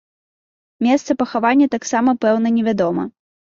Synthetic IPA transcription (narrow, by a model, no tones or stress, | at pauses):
mʲɛst̪sɐpɐxavanʲːɐt̪aksamɐpɛwnɐnʲɛvʲad̪ɔmɐ̰